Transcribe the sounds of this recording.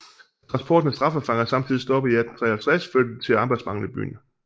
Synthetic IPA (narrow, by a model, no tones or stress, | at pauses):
t͡sʰʁɑ̈nsb̥ʰɒ̰ːd̥nəsd̥ʁɑ̈fəfɑ̈ŋɐsɑ̈mt͡sʰið̰ˠisd̥ɒ̽b̥əiæd̥n̩t͡sʰʁɛæt͡sʰʁɛsføɐd̥əit͡sʰe̝ɑ̈ːb̥ɑ̈ɪd̥smɑ̈ŋ̰l̩ˠib̥y̰ːnə